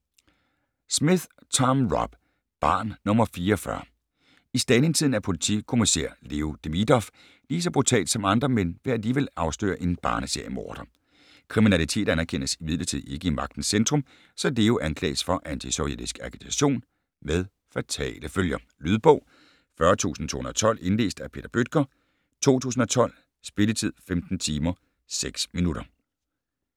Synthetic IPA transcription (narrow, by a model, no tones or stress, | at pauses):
smiðˠ | t͡sʰɑmʁɒb̥ | b̥ɑ̈ːnnɔ̽mɐfiːɐːfɶɐ | isd̥æne̝ŋt͡sʰiðˠn̩æɐpʰo̝lit͡sʰḭkʰo̝misḛɐ̰le̝ːod̥emid̥ɒf | liːsɒ̽b̥ʁut͡sʰɛ̰ːld̥sɒ̽mɑ̈nd̥ʁɐmen̰ʋe̝æliːʋelɑ̈ʊsd̥ø̰ːɐʔe̝nb̥ɑ̈ːnəse̝ɐ̰jəmɒ̰ːd̥ɐ | kʰʁiminælit͡sʰe̝̰ːd̥ænɐkʰen̰əsimið̞ˠlˠɐt͡sʰið̰ˠe̝ɡ̥əimɑ̈ɡ̥̚d̥n̩send̥ʁɔ̽m | sɒ̽d̥e̝oʔænkʰlɛ̰ːsfɒ̽ʔænt͡sʰisoied̥isɡ̥ɑ̈kʰit͡sʰæɕo̝̰ːn | með̞ˠ | fæt͡sʰɛ̰ːləføljɐ | lyð̞ˠb̥ɔ̽ʊ̰ | fɶɐt͡sʰṵːsn̩t͡sʰo̝̰hunɐɐt͡sʰɒ̽l̰e̝nle̝̰ːsd̥æpʰe̝̰ːd̥ɐb̥ød̥̚ɡ̥ɐ | t͡sʰo̝̰ːt͡sʰṵːsn̩ɒ̽t͡sʰɒ̽l̰ | sb̥e̝lət͡sʰið̞̰ˠfemd̥n̩t͡sʰiːmɐ | seɡ̥sminuɾ̥ɐ